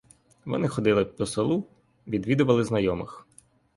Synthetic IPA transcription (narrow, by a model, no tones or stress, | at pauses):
ʋɔ̰nɪxɔd̪ɪlˠɪpɔsɔlˠu | ʋʲid̪ʋʲid̪ʊʋɐlˠɪznɐjɔmɪx